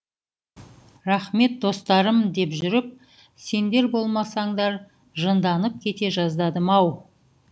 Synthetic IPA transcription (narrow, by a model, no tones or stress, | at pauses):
ɾɑχme̞t̪̚d̪o̞st̪ɑɾəmd̪e̞pʒʏɾɪp̚ | se̞nd̪e̞ɾbo̞lˠmɑsɑɴd̪ɑɾ | ʒənd̪ɑnəp̚kʲʰe̞t̪e̞ʒɑzd̪ɑd̪əmɑw